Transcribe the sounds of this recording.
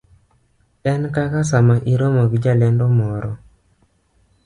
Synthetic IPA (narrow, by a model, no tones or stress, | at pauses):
ɛnkakasamaʔiɾomoɡd͡ʒalɛndɔmɔɾɔ